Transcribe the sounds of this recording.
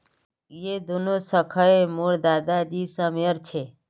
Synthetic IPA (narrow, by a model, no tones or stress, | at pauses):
jed̪unosəkʰəemoɾd̪aːd̪ad͡ʒisəmjəɾt͡ʃʰe